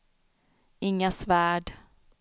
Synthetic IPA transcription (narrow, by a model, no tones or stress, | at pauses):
ɪŋːasvæːɖ